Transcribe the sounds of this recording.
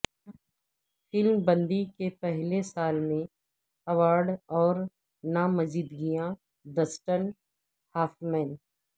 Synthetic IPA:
fɪlmbɐ̃nd̪ikepɛɦlesaːlmẽ | ɐʋaːɾɖɔːɾ | namɐziːd̪ɡijã | d̪əsʈən | haːfmɛ̃ːn

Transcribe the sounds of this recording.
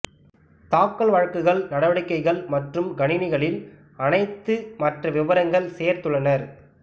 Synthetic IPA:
t̪aːkːɐɭʋɐɻɐkːɯɣɐɭnɐɽɐʋɐɽɪkːɐɪɣɐɭmɐʈrɯmɡɐɳɪnɪɣɐɭɪl | ɐnɐɪt̪ːɯmɐʈrɐʋɪʋɐɾɐŋɡɐɭseːɾt̪ɯɭɐnɐɾ

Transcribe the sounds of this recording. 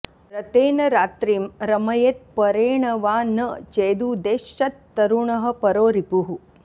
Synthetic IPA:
ɾɐt̪eːnɐɾaːt̪ɾiːmɾɐmɐjet̪̚pɐɾeːɳɐʋaːnɐt͡ʃeːd̪uːd̪eːʃːɐt̪ːɐɾuɳɐɦɐ̆pɐɾoːɾipuɦu

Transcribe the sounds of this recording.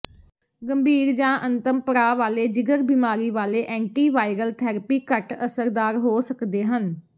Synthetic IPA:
ɡəmbʱiːɾd͡ʒãːʔənt̪əmpəɾaːʋaːleːd͡ʒɪɡəɾbiːmaːɾiːʋaːleːʔɛ̃ːɳʈiːʋaːɪɾəlt̪ʰɛːɾəpiːkəʈəsəɾd̪aːɾɦoːsəkd̪eːɦən

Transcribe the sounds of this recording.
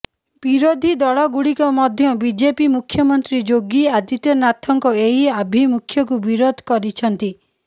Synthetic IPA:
biɾod̪ʱid̪ɔɭɔɡuɽikɔmɔd̪ʱjɔbid͡ʒepimukʰjɔmɔnt̪ɾid͡ʒoɡiad̪it̪ɔnat̪ʰɔŋkɔeɦiabʱimukʰjɔk̬ubiɾod̪ʱkɔɾit͡ʃʰɔnt̪i

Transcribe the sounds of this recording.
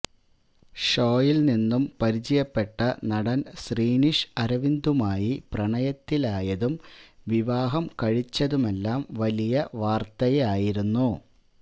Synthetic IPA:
ʂo̞ːjilninːumpɐɾit͡ɕɐjɐpːe̞ʈːɐnɐɽɐnɕriːniʂɐɾɐʋind̪umaːjiprɐɳɐjɐt̪ːilaːjɐðumʋiʋaːɦɐmkɐɻit͡ɕːɐðume̞lːaːmʋɐlijɐʋaːrt̪ɐjeaːjiɾunːu

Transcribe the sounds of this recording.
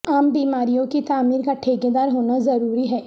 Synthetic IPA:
aːmbiːmaːɾijõkit̪aːmiːɾkaʈʰeːɡed̪aːɾɦoːnazɐɾuːɾiɦɛː

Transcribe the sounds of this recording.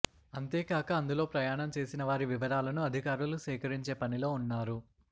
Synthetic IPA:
ɐnt̪eːkaːkɐːnd̪ulo̞ːpɾɐjaːɳɐmt͡ʃe̞ːsinɐʋaːɾiʋiʋɐɾaːlɐnuɐd̪ʱikaːɾulusɛːkɐɾiɲt͡ʃe̞ːpɐnilo̞ːunːaːɾu

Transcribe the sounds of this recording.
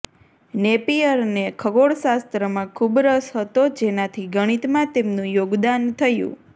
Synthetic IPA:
nepiəɾnekʰəɡoɽʃast̪ɾəmãkʰubɾəsɦət̪od͡ʒenat̪ʰiɡəɽ̃it̪mãt̪emnũjoɡd̪ant̪ʰəjṵ̃

